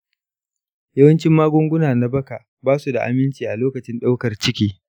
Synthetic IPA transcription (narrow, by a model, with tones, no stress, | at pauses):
jɐ˦wɐ˦nt͡ʃɪ˦mːaː˦ɡʷʊ˦ŋɡʷʊ˦naː˨na˦bɐ˦kaː˨ | baː˦su˨da̰˨ʔa̰˨mɪ˦nt͡ʃiː˨ʔa˨loː˦kɐ˨t͡ʃɪ˦nɗa˦wkɐ˨rt͡ʃɪ˦kʲiː˦